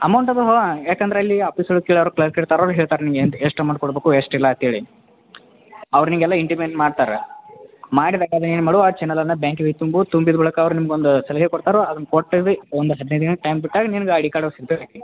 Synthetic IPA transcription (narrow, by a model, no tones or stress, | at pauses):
ɐmɐwɳʈɐd̪uɦoːjaːkɐnd̪ɐɾeɐlːiaːpiːsɐɭukiːɭɐʋɾuklɐɾkeʈt̪aːɾoːlɦeːɭt̪aːɾenimɡeːnd̪ueʂʈɐmɐwɳʈ̚koɽbeːkueʂʈilːɐt̪eːɭi | ɐʋɐɾnimɡɛlːɐiɳʈimenmaːɖt̪aːɾe | maːɽid̪aːkːaːd̪ɐniːnmɐɽuaːt͡ʃɛnːɐlɐnːɐbjaːŋkiɡet̪umbut̪umbid̪ɐbɐɭɐkɐʋɐɾunimɐɡeond̪usɐlɐɦekoɽt̪aːɾoɐd̪ɐnːɐkoʈːɐd̪eond̪uɦɐd̪ined̪inɐʈɐjmbiʈːd̪aːɡɐninɐɡeaɽikaːɽɐsiɡt̪eːki